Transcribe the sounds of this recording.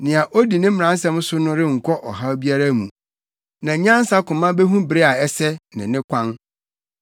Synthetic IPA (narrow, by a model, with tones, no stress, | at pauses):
nɪ̃˨a˨ʔo˦di˨nɪ̃˦m̩˦˨ã˨n˦sɛ̃˦m˦sʊ˦nʊ̃˦ɾɪ˦ŋ̩˨kʷʰɔ˦ʔɔ˨ɦa˦bi˦a˦ɾa˦mṵ̃˨ | nã˨˦ɲã˦n˦sa˦kʊ̃˨mã˦be˦ɦũ˦bɪ˨ɾe˦a˨ɛ˦sɛ˦nɪ̰̃˨nɪ̃˦kʷʰã˦n